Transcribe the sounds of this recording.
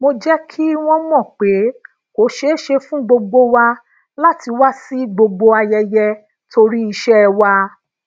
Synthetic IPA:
mo˧d͡ʒɛ˦kʰi˦w̃ɔ̃˧mɔ̃˦˨k͡pe˨˦ | ko˨˦ʃe˦ʃe˧fũ˦ɡ͡bo˧ɡ͡bo˧wa˧ | la˦ti˧wa˦si˦ɡ͡bo˧ɡ͡bo˧a˧jɛ˧jɛ˧ | to˧ɾi˦i˧ʃɛ˦˧wa˧

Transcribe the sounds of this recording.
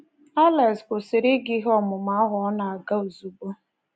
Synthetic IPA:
a˦la˨skʷʊ˨sɪ˨ɾɪ˦ɡi˦ɦɔ˦mʊ˨ma˦ɦɔ˦na˨a˨ɡa˦o˨zu˨bo˦

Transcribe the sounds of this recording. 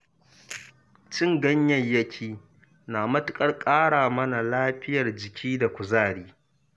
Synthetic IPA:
t͡ʃɪ˦ŋɡɐ˦ɲjɐ˨jjɐ˦kʲʰiː˦ | naː˨mɐ˦tʊ˦kʼɐ˦rkʼaː˦ɽaː˨mɐ˦na˨laː˦ɸɪ˦jɐ˨rd͡ʒɪ˨kʲʰiː˦da˨kʷʊ˨zaː˦˨ɽiː˦

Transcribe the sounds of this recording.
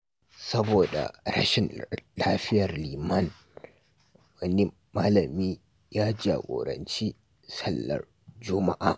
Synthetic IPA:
sɐ˦boː˨da̰˨ɾɐ̰˦ʃɪ˨nlaː˦ɸɪ˦jɐ˨rliː˨mɐ˦n | wɐ˦ni˦ | maː˦lɐ˨miː˦ | jaː˦d͡ʒa̰ː˨ɡʷo̰ː˨ɾɐ̰˨nt͡ʃi˦ | sɐ˦lːɐ̰˨r | d͡ʒʊ˦ma˦ʔa̰ː˨

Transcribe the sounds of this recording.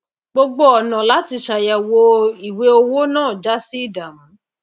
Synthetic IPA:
ɡ͡bo˧ɡ͡bo˦ɔ˨nã˨la˦ti˧ʃa˨ja˨wo˧i˨we˧˦o˧wo˦nãː˦˨d͡ʒa˦si˦i˦˨da˨mã˨˦

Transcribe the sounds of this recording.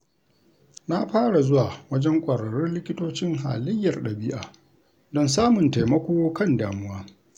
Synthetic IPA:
na˦ɸaː˦ɽa˨zʊ˦waː˨wɐ˦d͡ʒɛ˦ŋkʷʼɐ˨ɾɐ˨ɾɪ˦nlɪ˦kʲɪ˦toː˦t͡ʃɪ˦ŋɦa̰ː˨lɪ˦jːɐ˨rɗɐ˨bɪ˦ʔa̰ː˨ | dɔ˦nsaː˦mʊ˨nta˨mɐ˦kʷoː˦kɐ˦ndaː˨mʊ˦waː˦

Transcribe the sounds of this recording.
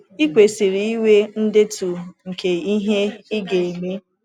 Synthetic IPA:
i˦kʷe˨si˨ɾi˨i˦we˦n̩˦dɪ˦tu˨ŋ̩˨ke˨i˦ɦe˦i˦ɡe˨e˨me˦

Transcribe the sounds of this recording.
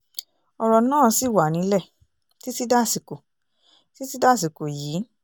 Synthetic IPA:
ɔ˧ɾɔ˧˨nãː˦˨˧si˦˨wa˨nĩ˨˦lɛ˦˨ | ti˦ti˦da˦˨si˨ko˨ | ti˦ti˦da˦˨si˨ko˨jiː˨˦

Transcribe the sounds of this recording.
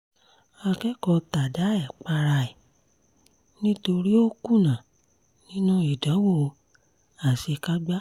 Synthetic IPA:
a˧kɛ˦kɔ˧ta˨da˨˦ɛ˦˨k͡pa˧ɾa˧ɛ˨ | nĩ˦to˧ɾi˦o˦ku˦nã˨ | nĩ˦nũ˦i˨dã˨˦wo˦˨˧ | a˨si˧ka˦ɡ͡ba˦

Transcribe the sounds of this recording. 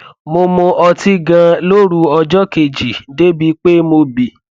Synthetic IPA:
mo˧mõ˧ʔɔ˧ti˧ɡã˧lo˦ɾu˧ɔ˧d͡ʒɔ˦ke˨d͡ʒi˨de˦bi˨˦k͡pe˦mo˧bi˨

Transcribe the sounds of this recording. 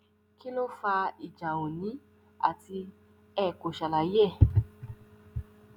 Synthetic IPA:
ki˦lo˦fa˧i˨d͡ʒã˨õ˨nĩ˨˦ | a̰˦˨ti˧ | ɛ˦˨ko˨ʃa˨la˨jɛ˦˨

